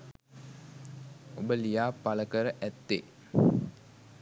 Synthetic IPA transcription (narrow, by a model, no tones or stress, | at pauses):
obəlijaːpaləkəɾəʔæt̪ːe